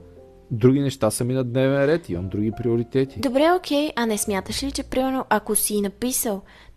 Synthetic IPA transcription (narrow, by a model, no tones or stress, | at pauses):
d̪ɾuɡinɛʃt̪asəminɐd̪nɛvɛnɾɛt̪io̰nd̪ːɾuɡʲipɾioɾit̪ɛt̪id̪obɾɛokʰɛjʔɐnɛsmʲjat̪əʃlit͡ʃɛpɾimɛɾnoʔɐkosiːnɐpisəlˠ